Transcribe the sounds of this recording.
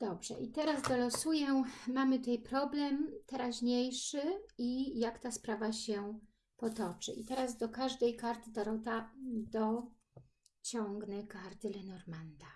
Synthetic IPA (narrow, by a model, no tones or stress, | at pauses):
d̪̥ɔbʐɛ̰ʔit̪ɛɾazd̪ɔlɔsujɛmamɘt̪ut̪ɛjpɾɔblɛmt̪ɛɾaʑɲejʂɘijakt̪aspɾavaɕɛ | pɔt̪ɔt͡ʂɘ̰ʔit̪ɛɾazd̪ɔkaʐd̪ɛjkaɾt̪ɘd̪aɾɔt̪ad̪ɔ | t͡ɕɔŋɡnɛkaɾt̪ɘlɛnɔɾmand̪a